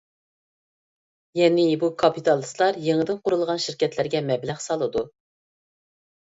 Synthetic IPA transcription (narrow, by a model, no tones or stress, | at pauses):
jɛnɪbukʰɑpit̪ʰɑlˠɨslˠɑɾjeŋɪd̪ɪnqʊɾulˠʁɑnʃiɾkʲɛt̪ʰlɪɾɡʲɛmɛblæχsɑlˠɨd̪u